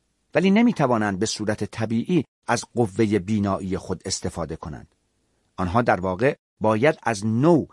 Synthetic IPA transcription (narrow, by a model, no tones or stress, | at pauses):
væliːnemiːt̪ʰævɒːnænd̪̚be̞suːɾæt̪ʰet̪ʰæbiːʔiː | æzɢovːe̞jebiːnɒːʔiːje̞xo̞d̪e̞st̪e̞fɒːd̪e̞kʰo̞næ̰nd̪̥ | ɒnɦɒːd̪æɾvɒːɣe̞ | bɒːjæd̪æznow